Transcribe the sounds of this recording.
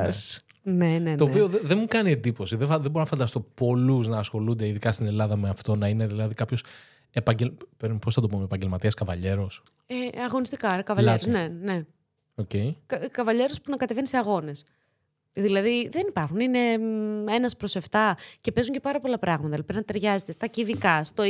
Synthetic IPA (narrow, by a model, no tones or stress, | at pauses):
s | ne̞nent̪oːpioeðemukɐnie̞nd̪ipo̞siðefɐðeboɾonɐfɐnd̪ɐst̪o̞po̞luznɐːsxo̞lund̪e̞iðikɐst̪ine̞lɐðɐmeɐft̪o̞nɐine̞ðilɐðikɐpço̞s | epɐɲɟelpeɾmposθɐt̪o̞pomepɐɲɟelmɐt̪iɐskɐvɐʎe̞ɾos | eɐɣo̞nist̪i̥kɐoɾɐkɐvɐeɾzne̞ne̞ | ocejkɐkɐvɐʎe̞ɾospunɐkɐt̪e̞veniseɐɣo̞ne̞s | ðilɐðiðenipɐɾxunine̞e̞nɐspɾo̞se̞ft̪ɐce̞pe̞zuɲce̞pɐɾɐpo̞lɐpɾɐɣmɐt̪ɐlipinɐt̪e̞ɾʝɐzet̪est̪ɐciðikɐst̪o